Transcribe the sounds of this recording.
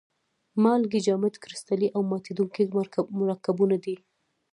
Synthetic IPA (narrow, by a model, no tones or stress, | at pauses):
mɑlɡɪd͡ʒɑmɪt̪kɾɪst̪aliʔawmɑt̪ed̪uŋkimʊɾɑkabunad̪i